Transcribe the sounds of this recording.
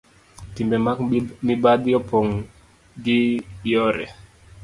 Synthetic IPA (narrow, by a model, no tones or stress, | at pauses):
timbɛmakmibad̪jɔpoŋ | ɡɪjɔɾɛ̰